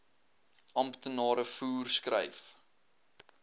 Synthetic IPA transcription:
ɐmptənɑːɾəfuːrskrə̰jf

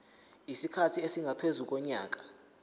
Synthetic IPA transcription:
isikʰatʰiesiŋʱapʰezuk̬ɔɲa̰ːk̬ʼḁ

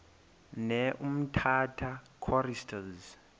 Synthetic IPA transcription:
nɛʔum̩tʰatʰa | kʰɔristʰaz

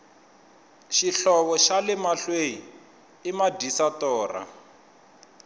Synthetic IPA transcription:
ʃiɬɔβɔʃalɪmaɬwejiː | madisatɔːra̰

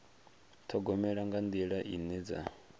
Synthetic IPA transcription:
t̪ʰɔɡɔmɛɺaŋɡand̪iɺaʔinɛd͡za̰

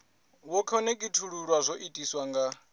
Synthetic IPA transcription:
wɔkʰɔnɛkʼitʰuɺuɺwazʷoʔitʼiswaŋɡa

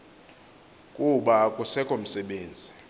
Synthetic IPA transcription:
kʼuɓakʼusɛkʼom̩sɛɓeːnd͡zʱi

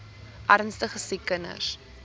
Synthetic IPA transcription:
ʔærnstəχəsikːənə̰s

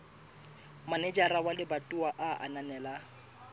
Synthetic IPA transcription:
manɛd͡ʒarawalɪbatʼuwaʔaʔa̰nanɛːla

